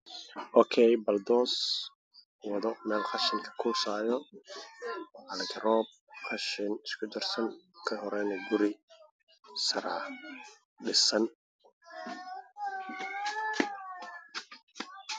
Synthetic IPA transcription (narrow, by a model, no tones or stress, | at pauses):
ʔɔkʰɛjbɐld̪ɔːs | wɑðɔmɛːlqɑʃɪŋkʰɐ̥kʰuːsaːjɔ | ɐlɡʰɐɾɔːb̚qʰɐʃɪnɪskʰʊd̪ɛrsɐŋkʰɐɦɔɾɛnɛɡʊɾɪ | sɐɾaː | ɖɪsɐn